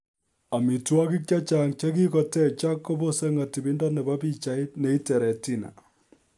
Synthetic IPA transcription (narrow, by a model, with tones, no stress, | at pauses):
a˨mi˨twɔ˦ki˦k̚t͡ʃa˦t͡ʃaŋt͡ʃe˦ki˦kɔ˨tɛ˦t͡ʃa˦kːo˦bo˦se˦ŋa˨ti˨bi˦ndɔ˦ne˨ba˦pi˦t͡ʃa˨i˦tne˦i˦tɛ˨ɾɛ˨ti˦na̰˨